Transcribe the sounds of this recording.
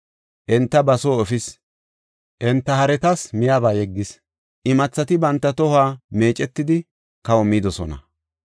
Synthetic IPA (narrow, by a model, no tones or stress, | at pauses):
ʔɛnt̪ːɐbɐsoːɔfɪs | ʔɛnt̪ːɐhɐɾɛt̪ɐsmɪjaːbaːjɛɡːɪs | ʔɪmɐt͡sːɐt̪ɪbɐnt̪ːɐt̪ɔhaːme̞ːt͡ʃʼɛt̪ːɪd̪ɪ | kɐwɔmiːd̪ɔsɔ̰nɐ̰